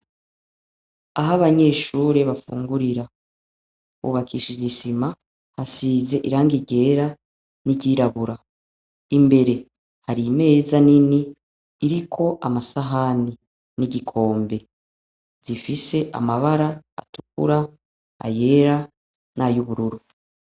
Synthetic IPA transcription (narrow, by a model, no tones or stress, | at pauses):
aɦaβaɲe̞ʃuːɾeβafṵːŋɡuɾiɾa | βṵβakʰiʃiisima | hasize̞ʔiɾaːŋɡiɟe̞ːɾa | niɟiːɾaβuɾa | imbe̞ɾe̞ | haɾime̞zaniniː | ɾikʰo̞ʔamasaɦani | niɟikʰo̞ːmbe̞ | zifise̞ʔa̰maβaɾa̰ːtukṵɾa | a̰je̞ːɾa | najuβuɾuɾu